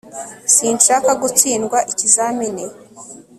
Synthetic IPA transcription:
siːnʃaːkaɡut͡siːnɡwaʔicizamene

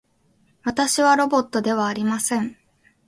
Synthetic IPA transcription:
βat̪aɕiβaɾo̞bo̞t̪ːo̞d̪e̞β̞aːɾʲimasẽ̞ɴ

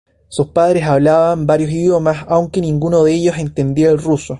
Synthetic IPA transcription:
suspaðɾesaβlaβambaɾjosiðjo̞masawŋke̞nĩŋɡunoðeeʝo̞se̞nt̪e̞nd̪iaelruso

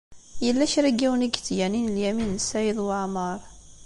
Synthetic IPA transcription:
jəlːæʃɾæɡːiwəniɡt͡sːjæninəljæminsæjəðˤwaʕməɾˤ

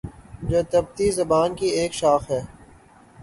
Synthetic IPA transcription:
d͡ʒoːt̪ɐb̚t̪izɐbaːnkieːkʃaːxɦɛː

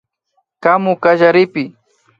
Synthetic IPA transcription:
kamʊkaʒaɾɪpɪ

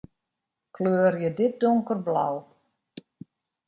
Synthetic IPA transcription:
kʰløːərjədɪt̚doŋkərbla̰w

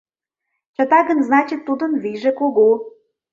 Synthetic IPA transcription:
t͡ɕə̆t̪ɑɡə̆nznɑt͡ɕit̪ːud̪ə̆nviʒĕkoɣo

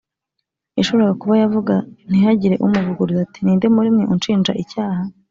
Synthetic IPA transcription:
eʃoβɾaɡakuβajavuɡan̥ihaɟiɾe̞ʔumuvuɡuɾuzatiniːndemuɾimŋeʔunt͡ʃiːnd͡ʒa̰ʔicaːha

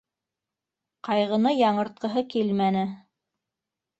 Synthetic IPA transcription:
qɑjʁɤ̆nɤjɑɴɤ̆ɾt̪̚qɤ̆ɦɤkilmænɘ

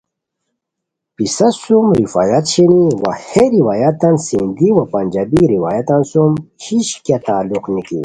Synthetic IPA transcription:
pisɐsumɾifa̰ːjat̪ɕeniwaheɾiwajat̪ɐnsind̪iwɐpɐnʲd͡ʑabiɾiwaːjat̪ɐnsum | hiɕkat̪aːluqnikḭ

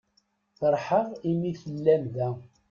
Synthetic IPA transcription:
θəɾˤħəʁimiθəlːæmðæ

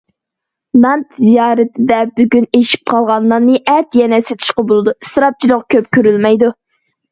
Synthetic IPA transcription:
nɑnt̪zijɑːɾɨt̪ʰɪd̪ɛbyɡʲyneʃi̥p̚qʰɑlˠʁɑnlːˠɑnːɨʔɛt̪jɛnɛset̪ʰy̥ʃqɑbolˠɨd̪usɾɑp̚t͡ʃʰilˠoqkʲʰøp̚kʲʰøɾylmɛjd̪u

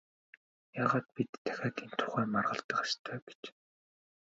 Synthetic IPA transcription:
jaːʁaːt̪̚pit̪ʰːæ̥xʲaːt̪int̪ʰʊ̥χæːmarʁə̆ɬt̪ə̆qḁst̪ʰœːɡ̥e̥t͡ɕ

